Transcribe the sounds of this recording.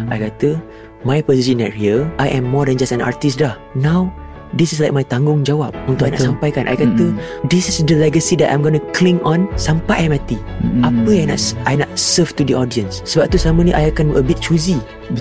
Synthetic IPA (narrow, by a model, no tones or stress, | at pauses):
ʔajkat̪ə | majpɔzis̬ĩnɛ̰t̚hiəʔajʔɛ̃mːɔdɛ̃nd͡ʒasɛ̃na̰ɹt̪istlah | nãw | disɪslajk̚majt̪ãŋɡʊŋd͡ʒawap̚ũnt̪ʊkʔajna̰ʔsampajkanʔa̰jkat̪ədisɪsdəlɛɡəsidɛʔã̰jmɡɔnəkʰlĩŋɔ̃nsãmpajʔajmat̪i | ʔapəajna̰ʔʔajnat̪̚səvt̪udiɔdiə̃nsːəbap̚t̪usaməniʔa̰jakãnʔə̰bɪt̪̚t͡ʃuzi